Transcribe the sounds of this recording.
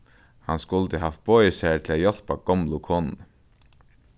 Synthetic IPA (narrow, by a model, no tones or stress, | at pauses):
hanskʊlt̪əɦaft̪̚b̥ɔːjəsæːt̪ʰɪlaːjɔl̥paɡ̥ɔmlʊkʰoːnn